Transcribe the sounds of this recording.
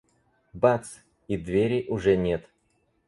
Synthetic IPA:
bat̪s | id̪vʲeɾʲɪʔʊʐɛnʲet̪

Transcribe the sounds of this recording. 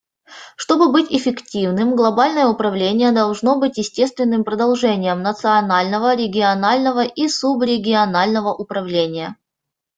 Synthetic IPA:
ʂt̪o̞bɨbɨtʲɪfʲɪktʲivnɨmɡlˠɐbalʲnəjəʊpɾɐvlʲenʲɪjəd̪ɐlˠʐno̞bɨtʲjɪsʲtʲe̞st̪vʲɪnːɨmpɾəd̪ɐlˠʐɛnʲɪjəmnət̪sɨɐnalʲnəvəɾʲɪɡʲɪɐnalʲnəvəʔisubɾʲɪɡʲɪɐnalʲnəvəʔʊpɾɐvlʲenʲɪjə

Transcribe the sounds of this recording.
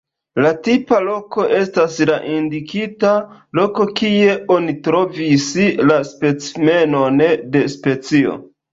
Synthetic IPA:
latipalo̞ko̞ʔe̞staslaʔindikitalo̞ko̞kie̞o̞nitɾo̞vislaspe̞t͡sme̞no̞nde̞spe̞t͡sio̞̰

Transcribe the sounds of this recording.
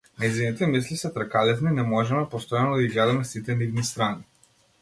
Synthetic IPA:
naizvinit̪ɛmislisɛt̪ɾakalɛt̪ninɛmɔʒɛmɛpɔst̪ɔjanɔd̪aiɡlɛd̪amɛsit̪ɛnivnist̪ɾani

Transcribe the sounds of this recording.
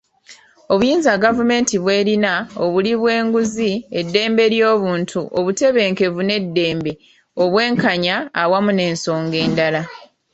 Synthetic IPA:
o̞βujiːnzaɡavume̞ːntiβwe̞ːɾinaoβuliβwe̞ːŋɡuzie̞dːe̞ːmbe̞ɾjo̞ːβuːntʰuʔoβute̞βe̞ːŋke̞vune̞dːe̞ːmbe̞ | o̞βwe̞ːŋkaɲaːwamune̞ːnso̞ːŋɡe̞ːndala

